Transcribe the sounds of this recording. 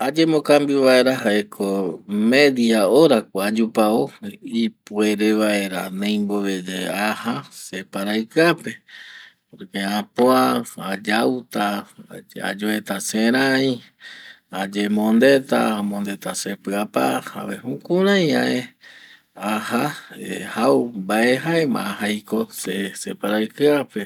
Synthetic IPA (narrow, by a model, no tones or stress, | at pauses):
ad͡ʒe̞mõkambiβae̞ɾaɦaekʰomeðiaoɾakʷaad͡ʒupaoipue̞ɾe̞βae̞ɾanẽjmboβed͡ʒeahasepaɾajkape̞poɾkeapoaad͡ʒawt̪a | a̰d͡ʒoet̪asẽɾ̃ãj̃ | ad͡ʒemõnd̪et̪a̰amõnd̪e̞t̪asepɨapaa̰βehũkuɾãj̃ãe | ahaehawmbaeɦaemã̰hajko̞sesepaɾajkɨape̞